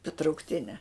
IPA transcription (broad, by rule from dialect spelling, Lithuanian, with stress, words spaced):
tɐ trɐʊkˈtʲɪnʲɛ